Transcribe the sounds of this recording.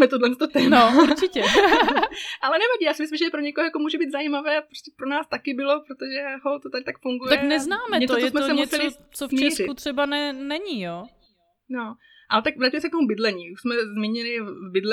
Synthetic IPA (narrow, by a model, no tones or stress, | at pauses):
mɛt̪odlɛnst̪ot̪ɛːmnoauɾt͡ʃɪcɛ | ʔalɛnɛvaɟiːjaːsɪmɪslɪmʒɛpɾoɲɛkoɦojakomuːʒɛbiːt̪zajiːmavɛːapɾostcɛpɾonaːst̪akɪbɪlo̞pɾot̪oʒɛɦot̪ot̪aɾɪt̪akfuŋɡujt̪aɛknɛznaːmɛtɛt͡s̪ojoɛtsmɛosɛmɲɛst͡sɛlɪo | t͡sofmt͡ʃɛsrɪkut̪r̝̥ɛbanɛnɛɲiːjoː | no | ʔat̪akvɾacmɛsɛkt̪omubɪdlɛɲiːuʃsmɛzmiɲɪlɪbɪdlɛ